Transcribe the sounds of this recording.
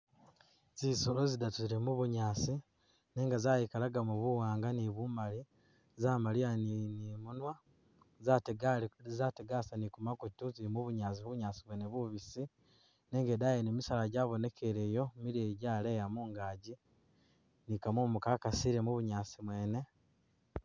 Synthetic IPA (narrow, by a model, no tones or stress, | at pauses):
ziːsolozidatuiɾemuβuɲaːsi | ne̞ːŋɡazajikalaɡamuβuwaːŋɡaniβumali | zaːmalianinimunwa | zateɡazateɡasanikumakutuziɾimuβuɲaːt͡siβuβuɲaːsiβweneβuβisi | ne̞ːŋɡe̞dajenemisalaɟaːβo̞ne̞kʰeɾe̞jo̞miɾeɟaːle̞jamuːŋɡaːɟi | nikamomukakasiɾe̞muβuɲaːsimwe̞ːne̞